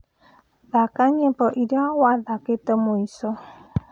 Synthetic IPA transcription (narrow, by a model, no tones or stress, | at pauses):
ðakaɲepɔʔidawaðaketəmoisɔ